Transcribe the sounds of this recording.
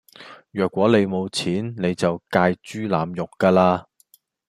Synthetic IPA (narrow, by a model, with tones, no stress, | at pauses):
jœː˨kʷːwɔː˨˥le˨˧jmo˨˧wt͡sʰiː˨˥nne˨˧jt͡sɐ˨wkaː˧jt͡ʃyː˥laː˨˧mjʊ˨kːaː˧laː˧